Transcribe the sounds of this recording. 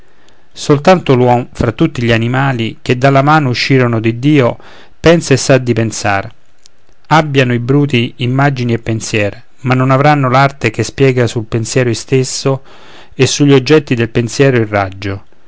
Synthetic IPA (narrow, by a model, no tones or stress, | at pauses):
solt̪ant̪olwɔmfɾat̪ːut̪ːiʎanimaːlik̟ed̪ːalːamaːnouʃːiːɾonod̪id̪ːiːo | pɛnsaesːad̪ːipensaːr | abːjanoibɾuːt̪̬iːmːad͡ʒiniepːensjɛːɾe | manːonavɾanːolart̪ekespjɛːɡasulpensjɛːɾʊist̪esːo | esːuʎːiod͡ʒːɛt̪ːid̪elpensjɛːɾoirːad͡ʒːo